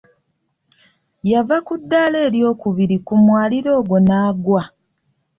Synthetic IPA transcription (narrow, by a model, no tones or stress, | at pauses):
javakudːale̞ːljo̞ːkuβiɾikumwaːliɾo̞ːɡo̞naːɡwa